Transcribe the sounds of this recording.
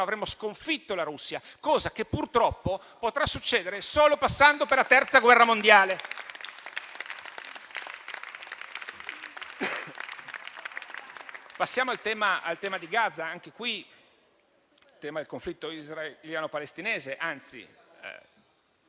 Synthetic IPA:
avɾemːoskoɱfit̪ːolaɾusːjakɔːzakepːurt̪ɾɔpːo | pot̪ɾasːut͡ʃːeːd̪eɾesoːlopasːand̪operlat̪ɛrt̪saɡwɛrːamond̪jaːle | pasːjaːmoalt̪ɛːmaa̰lt̪ɛːmad̪iɡad̪zːaaŋkekwi | t̪ɛːmad̪elkoɱflit̪ːoizraljaːnopalest̪ineːzeʔant̪sḭ

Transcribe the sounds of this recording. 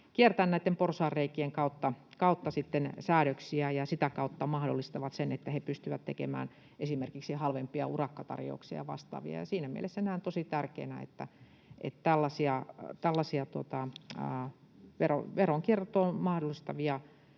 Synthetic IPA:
kiert̪ænnæit̪ːemporsɑːrːeikːieŋkɑut̪ːɑkɑut̪ːɑsit̪ːensæːɾøksiæjɑsit̪ækɑut̪ːɑmɑhdolːist̪ɑʋɑt̪senet̪ːæhepyst̪yʋæt̪t̪ḛkḛmæ̰ːn | esimerkiksihɑlʋempiɑ̰urɑkːɑt̪ɑ̰rjo̰uksiɑ̰ʋɑ̰st̪ɑ̰ːʋḭɑ̰jɑ̰siːnæmḭḛlesːenæːnt̪osit̪ærkḛnæḛt̪ːæ̰ | ʔḛt̪t̪ælːɑsiɑt̪ælːɑsiɑt̪uot̪ɑ̰ː | ʋero̰ʋeroŋkiert̪oːmɑhdolːˑist̪ɑʋiɑ

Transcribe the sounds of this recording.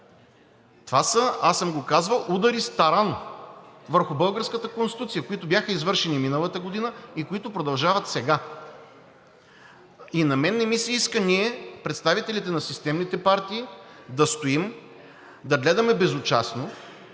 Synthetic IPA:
t̪vasəasəmɡokazvəlˠud̪ɐɾist̪ɐɾan | vəɾxʊbɤlˠɡəɾskət̪əkonst̪it̪ut̪sijəkoit̪ʊbʲjaxəizvɤɾʃɛniminəlˠɐt̪əɡod̪inəikoit̪ʊpɾod̪ɐlˠʒavət̪sɛɡa | inɐmɛnːɛmisɛiskəniɛpɾɛt̪st̪avit̪ɛlit̪ɛnɐsist̪ɛmnit̪ɛpaɾt̪iːd̪ɐst̪oim | d̪ɐɡlɛd̪ɐmɛbɛzot͡ʃa̰sno

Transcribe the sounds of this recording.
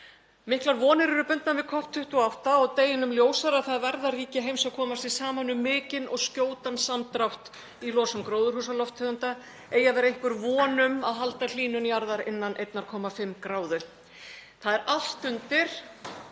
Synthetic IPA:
mɪhklaɾvɔːnɪɾɛɾʏpʏnt̪nanvɪðkʰɔht̪ʰːʏht̪ɔawht̪aɔɣt̪eːjɪnʏmljoːwsaɾaθaðvɛɾðariːcɪɦejmsaðkʰɔːmast̪ɪsaːmanʏmːɪːcɪnʔɔɣscoːwt̪ansamt̪ɾawht̪ | ilɔːsamkɾoːwðʏɾhuːsalɔft̪ʰœːɣʏnt̪a | eːjavɛːɾẽŋ̥kvʏɾvɔːnʏmaðɦalt̪al̥iːnʏniaɾðaɾɪnːanʔejt̪naɾkʰɔːmafɪmːkɾaːwðʏ | θaðɛɾal̥t̪ʏnt̪ɪɾ̥

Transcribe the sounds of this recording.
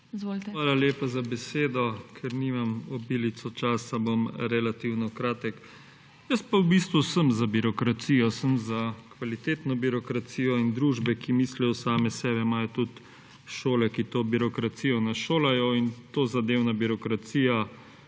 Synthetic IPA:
zʋolt̪ʋaːlaleːpazabɛseːd̪ɔkʰɛɾniːmamɔbiːlit̪sɔt͡ʃaːsabomɾɛlat̪iwnɔkɾaːt̪ɛk | jəst̪pawbiːst̪ʋusəmzabiɾɔkɾat̪siːjɔsəmzakʋalit̪eːt̪nɔbiɾɔkɾat̪siːjɔind̪ɾuːʒbɛkimislɛjɔsaːmɛsɛːbɛimaːjɔt̪ut̪ | ʃoːlɛkit̪oːbiɾɔkɾat̪siːjɔnaʃoːlajɔint̪oːzad̪eːwnabiɾɔkɾat̪siːja

